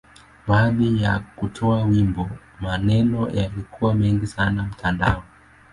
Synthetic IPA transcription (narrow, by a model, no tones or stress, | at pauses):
ɓaːðija̰kutʰɔawimbɔ | manɛnɔjalikʰuwamɛŋɡisanam̩tʰanda̰ɔ